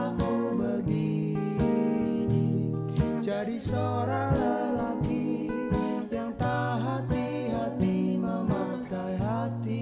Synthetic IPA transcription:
fʊlbərɡi | ni | d͡ʒadiso | ɾaləlaki | jaŋt̪aɦat̪i | ɦat̪imama | k̪ajɦa | t̪i

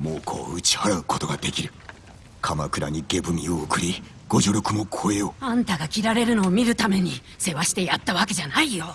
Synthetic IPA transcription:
mo̞ːkʰo̞̰ːɯt͡ɕi̥haɾaɯ̟ko̞t̪o̞ɡad̪e̞kʲiɾɯ̟ | kʰamakɯ̟ɾa̰ɲ̟iɡe̞bɯ̟mʲioɯkɯ̟ɾʲi | ɡ̥o̞ʑoɾʲo̞kɯ̟mo̞kʰoe̞oãnt̪aɡakʲiɾaɾe̞ɾɯ̟no̞ːmʲiɾɯ̟t̪ame̞ɲ̟i | se̞βaɕi̥t̪e̞jat̪ːaβake̞ʑanaijo̞

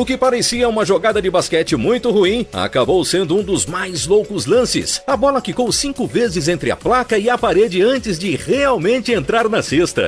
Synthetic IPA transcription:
ʊkɪpaɾesiɐũmɐʒoɡad̪ɐd͡ʒɪbaskɛt͡ʃɪmũj̃t̪ʊhuĩa̰kabowsẽnd̪ʊũd̪ʊzmajzlowkʊzlɐ̃sɪ̰sɐbɔlɐkikowsĩŋkʊvezɪzẽnt̪ɾɪɐ̰plakɐɪɐpaɾed͡ʒɪɐ̃nt͡ʃɪzd͡ʒɪʁeawmẽnt͡ʃɪẽnt̪ɾaɾnɐsest̪ɐ̰

